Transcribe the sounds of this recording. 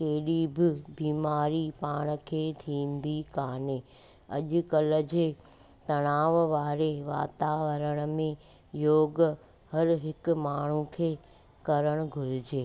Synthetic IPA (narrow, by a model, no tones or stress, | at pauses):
keːɗibɪbiːmaːɾipaːɽ̃ə̆kʰeːt̪ʰiːnd̪ikaːne | ɐ̰ʄʊ̆kɐləd͡ʑeː | t̪ɐɽ̃aːʋʋaːɾeʋa̰ːt̪aːʋəɾəɽ̃ə̆mẽ | joːɡ | hɐɾɦɪk̆maːɳ̤ũkʰeː | kɐɾəɽ̃ʊɡʱʊɾɪd͡ʑeː